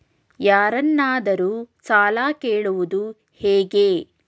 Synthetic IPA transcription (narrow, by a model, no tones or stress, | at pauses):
jaːɾɐnːaːd̪ɐɾuːsaːlaːkeːɭuʋud̪u | hɛːɡeː